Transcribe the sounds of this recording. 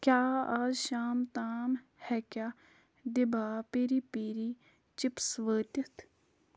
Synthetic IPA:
kjaːaːzʃaːmt̪aːmhɛkjaː | d̪ɪbaːpeɾipiɾi | t͡ʃɪpsʋəːt̪ɐt̪ʰ

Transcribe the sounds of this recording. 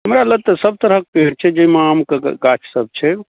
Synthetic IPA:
ɦəmɾalət̪əsəb̚t̪əɾɦək̚peɽt͡ʃʰɛd͡ʒemamkeɡat͡ʃʰsəb̚t͡ʃʰɛ

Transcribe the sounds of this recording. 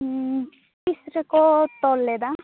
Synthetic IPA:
t̪isɾʌkot̪ɔlːed̪a

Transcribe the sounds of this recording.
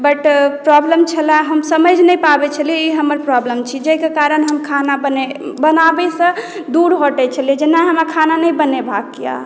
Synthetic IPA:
bəʈpɾɔbləmt͡ʃʰəlaɦəmsəməd͡ʒʱnəjpabɛt͡ʃʰəliɛiɦəməɾpɾɔbləmt͡ʃʰid͡ʒəjkekaɾənɦəmkʰanabənebənabɛsə̃ | d̪uɾɦoʈɛt͡ʃʰəlied͡ʒenaɦəmakʰananəjbənebʱakːja̰

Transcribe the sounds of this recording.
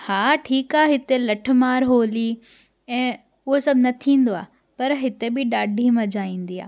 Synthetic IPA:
haːʈʰiːkaːɦɪt̪elɐʈ̆ʰmaːɾɦoːli | ɛ̃ː | ʊɦosɐbʱɪnɐt̪ʰĩːn̆d̪oaː | pɐɾɦɪt̪ebɪɗaːɖʱimɐ̃d͡ʑaːĩːn̆d̪iːa̰ː

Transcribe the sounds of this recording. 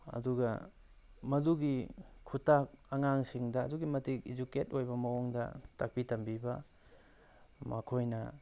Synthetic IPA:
ɐ̰duɡɐ | mɐduɡikʰutak̚ɐŋaŋsiŋdɐːduɡimɐtikid͡ʒuketojbɐmɐwoŋdɐ̰tɐk̚pitɐmbibɐ | mɐkʰojnɐ

